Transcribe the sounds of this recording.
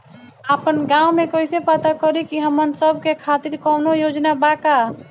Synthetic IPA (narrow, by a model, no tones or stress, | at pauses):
apənɡãumekoisepat̪akɔɾikiɦəmːənsəbʱkekʰat̪iɾkɔʊnojod͡ʒnabaka